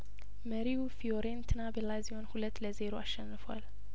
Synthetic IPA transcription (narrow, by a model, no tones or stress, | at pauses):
məɾiufioɾent̪ʰɨnabəlaziho̞nhulət̪ːləze̞ɾoʔaʃːɛnːɨfwa̰l